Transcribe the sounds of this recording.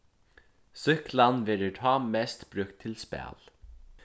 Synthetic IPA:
sʏklanʋɛːɾəʈ̪ʰɑːmɛst̪b̥ɾʉk̚t̪ʰːɪlspæ̰ːl

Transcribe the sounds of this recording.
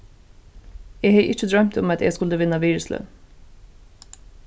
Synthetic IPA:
jeːheɪʔɪt͡ʃəd̪ɹœmt̪ʰʊmɑt̪ʰjḛːskʉləʋɪnɑʋiːɹʉslœ̰n

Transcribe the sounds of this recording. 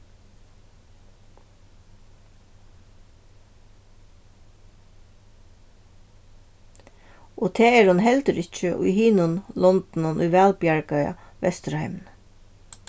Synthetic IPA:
ɔːt̪ʰeːɛɾhʊnɦɛlt̪əɾɪt͡ʃəʔʊ̰jhiːnʊnlɔnt̪n̩ʊnʔʊ̰jʋæːlpjaɹkajɑ̰ | ʋɛ̰st̪ɾhɛɪmn

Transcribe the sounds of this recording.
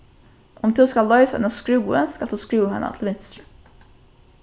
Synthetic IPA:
ʔɔmd̪ʉːskɑllːɑʏsʔʉ̰nəskɾʉːənskɑlt̪oːskɾʉːhɛ̰nə̰t̪ʰlʋɪnst̪ɾʉ

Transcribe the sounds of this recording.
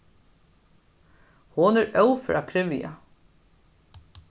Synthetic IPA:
hʊnɛɾœwfɾa̰kʰɾɪʋɪja̰

